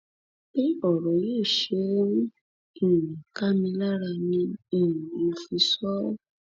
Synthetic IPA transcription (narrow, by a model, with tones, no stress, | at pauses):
bi˦ɔ˨ɾɔ˨jeː˦˨ʃe˧˦ | ĩ˨ĩ˨ka˦mĩ˧la˦ɾa˧nĩ˧ĩ˨mo˨˧fi˧sɔ˦